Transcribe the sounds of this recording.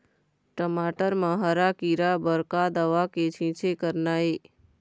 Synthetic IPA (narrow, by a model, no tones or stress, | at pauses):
ʈəmaːʈəɾmãɦəɾakiɾabəɾkad̪əʋaket͡ʃʰĩt͡ʃʰekəɾnae